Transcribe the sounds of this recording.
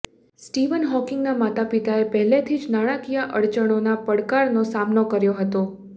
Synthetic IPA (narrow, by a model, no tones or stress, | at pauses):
sʈiʋənɦɔkɪŋɡnamat̪apit̪aepəɦlet̪ʰid͡ʒnaɽ̃akijaʔəɽt͡ʃəɽ̃onapəɽkaɾnosamnokəɾjoɦət̪o